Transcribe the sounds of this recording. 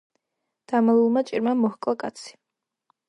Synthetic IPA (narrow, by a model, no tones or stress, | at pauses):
d̪̥amalˠulˠmat͡ʃʼiɾmamɔhkʼlˠakʼat̪sʰi̥